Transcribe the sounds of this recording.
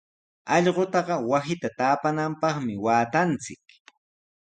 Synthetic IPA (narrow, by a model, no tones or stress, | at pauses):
ɑʎɢot̪ɑɢɑwasɪt̪at̪aːpanampɑχmɪwaːt̪ant͡sɪk